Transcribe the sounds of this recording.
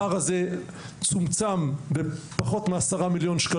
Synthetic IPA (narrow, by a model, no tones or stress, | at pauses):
aʁaze | t͡sumt͡sambepaχo̞t̪measaʁamiljo̞nʃka